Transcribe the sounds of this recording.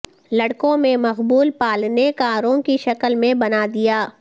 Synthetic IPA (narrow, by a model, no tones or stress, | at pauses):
lɐɽkõmẽmɐqbuːlpaːlnekaːɾõkiʃɐkəlmẽbɐnad̪ijaː